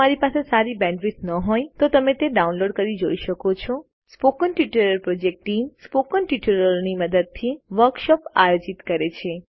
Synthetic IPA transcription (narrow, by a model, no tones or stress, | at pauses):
əaɾipasesaɾibɛ̃ɳɖʋisnəɦojt̪ot̪əmet̪eɖaũnloɖkəɾid͡ʒoiʃəkot͡ʃʰɔ | spokənʈiʈəɾəɾpɾod͡ʒek̚ʈiŋspokənʈiʈəɾəɾniməd̪əd̪̚t̪ʰiʋəɾkʃɔpajod͡ʒit̪kəɾet͡ʃʰe